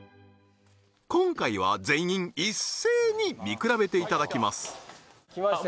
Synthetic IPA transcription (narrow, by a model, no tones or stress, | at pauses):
kõ̞ŋkaiβ̞a̰d͡zẽ̞ĩŋisːe̞ːɲ̟imʲikɯ̟ɾabe̞t̪e̞it̪ad̪akʲimasɨ̥